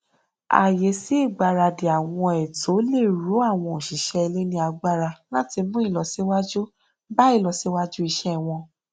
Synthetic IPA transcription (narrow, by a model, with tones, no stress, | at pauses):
a̰˨je˨˦si˨˦i˦˨ɡ͡ba˧ɾa˧de˨a˨w̃ɔ̃˧ɛ˨to˨˦le˦˨ɾu˨˦a˦˨w̃ɔ̃˧o˨ʃi˨ʃɛ˧˦ɛ˧le˦nĩ˧a˧ɡ͡ba˦ɾa˧la˦ti˧mũ˦i˦˨lɔ˨˦si˦wa˦d͡ʒu˦ | ba˦i˦˨lɔ˧si˦wa˦d͡ʒu˦i˧ʃɛ˦˨w̃ɔ̃˧